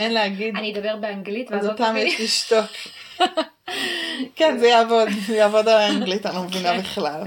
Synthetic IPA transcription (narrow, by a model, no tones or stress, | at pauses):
ʔenleaɡid̪anid̪abeʁbeaŋɡlit̪vazot̪amjjɛʃliʃto̞k | kɛnzɛjaːvo̞d̪jaːvo̞dalaŋɡlitanlomevinabiχlal